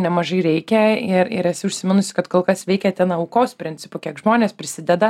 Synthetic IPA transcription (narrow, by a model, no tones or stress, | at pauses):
nʲɛmɐʒɐɪɾʲɛɪkʲɛɪɾɪ̰ɾɛsʲɪʊʃʲsʲɪmʲɪnʊsʲɪ̥kɐt̪koːlˠkɐsʋʲɛɪkʲɛt̪ʲɛnɐɐʊkoːspʲɾʲɪnʲt͡s̪ʲɪpʊkʲiɛkʒmoːnʲeːspʲɾʲɪsʲɪd̪ʲɛd̪ɐ